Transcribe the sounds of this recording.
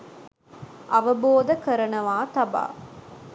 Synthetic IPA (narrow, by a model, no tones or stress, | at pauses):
ʔɐʋɐboːd̪ɐkɐɾɐnɐʋaːt̪ɐba̰ː